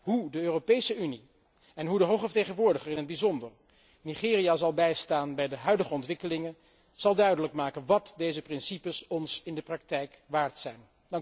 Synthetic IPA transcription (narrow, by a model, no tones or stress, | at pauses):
ɦudəøːropejsəyni | ɛnɦudəɦowχəvəɹtejχənʋʊːɹdəχərɪnɦəd̚bizɔndər | niχɪːrijazɑlˠbɛjstaːnbɛjdəɦœɥdəχəɔntʋɪkəlɪŋən | z̥ɑlˠdœɥdələkmaːkənʋɑtdejzəprɪnsipəsɔnsɪndəprɑk̚tɛjkʋaːɹtsɛjn | dŋ